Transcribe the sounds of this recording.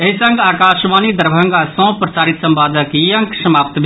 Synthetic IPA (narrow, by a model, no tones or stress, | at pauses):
eɦisəŋɡaːkaːʃmaːnid̪əɾbʱə̃ŋɡasɔ̃ːpɾɐsaːɾit̪sɐmbaːd̪ʱəkijə̃ŋkʃɐmaːp̚t̪bʱ